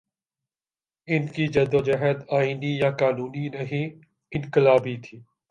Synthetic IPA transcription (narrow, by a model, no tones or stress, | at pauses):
ɪnkid͡ʒɐd̪od͡ʒəɦəd̪aːiːnijakaːnuːninɐɦĩ | ɪ̃nkɪlaːbit̪ʰiː